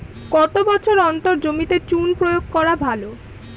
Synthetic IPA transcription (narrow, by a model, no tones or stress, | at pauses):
kɔt̪obɔt͡ɕʰoɾɔnt̪oɾd͡ʑomit̪et͡ɕunpɾojoɡ̚kɔɾabʱalo